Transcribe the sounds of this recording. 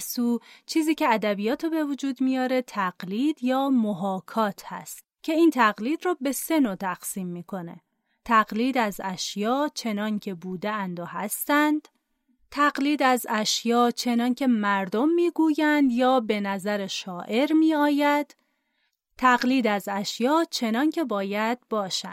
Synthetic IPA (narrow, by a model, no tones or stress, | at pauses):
suːt͡ʃʰiːziːcʰeæd̪æbijɒːt̪ʰebe̞vod͡ʒuːd̪mijɒːɾe̞t̪ʰæɢ̥liːd̪jɒːmoɦɒːkʰɒːt̪ʰhæ̰st̪̚cʰe̞iːnt̪ʰæɣliːd̪rɔːbe̞se̞not̪ʰæɡsiːmːiːkʰo̞ne̞̰ | t̪ʰæɡliːd̪æzæʃjɒːt͡ʃʰe̞nɒːncʰe̞buːd̪eænd̪ohæ̰st̪ænd̪̥ | t̪ʰæɡliːd̪æzæʃjɒːt͡ʃʰe̞nɒːncʰe̞mæɾd̪o̞mːiːɡuːjænd̪jɒːbe̞næzæɾe̞ʃɒːʔe̞ɾmiːɒːjæd̪̥ | t̪ʰæɣliːd̪æzæʃjɒːt͡ʃʰe̞nɒːncʰe̞bɒːjæd̪̥̚bɒːʃæ̰nd̥̪